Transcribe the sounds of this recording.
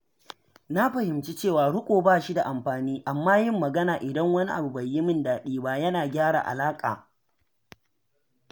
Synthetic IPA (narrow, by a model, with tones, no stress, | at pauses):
na˦ɸɐ˨hɪ˨mt͡ʃi˦t͡ʃeː˦˨waː˨ɽʊ˦kʷʼoː˨baː˦˨ʃi˦da˨ʔa˨mɸaː˨niː˦ʔa˨mːaː˦jɪ˦mːɐ˨ɡɐ˦naː˨ʔɪ˨dɐ˦ŋwɐ˦ni˦ʔa̰˨bu˨bɐ˨jːɪ˦mɪ˦ndaː˨ɗiː˦baː˦jɐ˦naː˨ɡʲaː˦ɽa̰˨ʔa̰˨laː˦kʼa̰ː˨